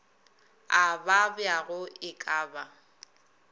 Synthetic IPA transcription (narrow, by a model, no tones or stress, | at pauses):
ababɪaɣʊɪkʼaːba